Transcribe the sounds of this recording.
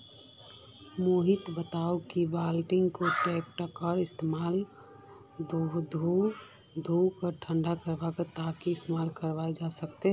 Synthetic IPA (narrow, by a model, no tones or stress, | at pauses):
moɦɪt̪bət̪aːukibaːlʈɪ̃ŋɡkoʈɛːk̚ʈəkəɾɪst̪emaːl | d̪ʱod̪ʱu | d̪ʱukəɾʈʰə̃ɳɖakəɾbakat̪aːkiɪst̪emaːlkəɾʋaːed͡ʒasək̚t̪eɦ